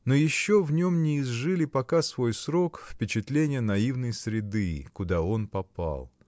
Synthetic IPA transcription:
nojɪɕːo̞vnʲomnʲɪːzʐɨlʲɪpɐkasvo̞jsɾo̞kfpʲɪt͡ɕɪt̪lʲenʲɪjənɐivnəjsɾʲɪd̪ɨkʊd̪ao̞npɐpa̰lˠ

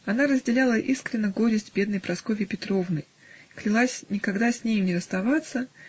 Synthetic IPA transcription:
ɐnaɾəzʲdʲɪlʲalˠəʔiskɾʲɪnːəɡo̞ɾʲɪsʲtʲbʲe̞d̪nəjpɾɐsko̞vʲɪpʲɪt̪ɾo̞vnəj | klʲɪlˠasʲnʲɪkɐɡd̪asʲnʲejnʲɪɾəst̪ɐvat̪sːə

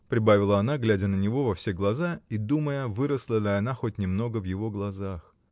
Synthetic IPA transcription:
pɾʲɪbavʲɪlˠəɐnaɡlʲædʲənənʲɪvo̞vɐfsʲe̞ɡlˠɐzaid̪uməjəvɨɾəslˠəlʲɪɐnaxot̚ʲnʲɪmno̞ɡəvjɪvo̞ɡlˠɐzax

